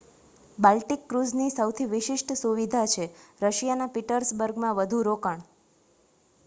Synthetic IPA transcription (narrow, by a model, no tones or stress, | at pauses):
balʈikːɾuznisəwt̪ʰiʋɪʃɪʃʈsuʋid̪ʱat͡ʃʰeɾəʃjanapiʈəɾsbəɾɡmãʋəd̪ʱuɾokəɳ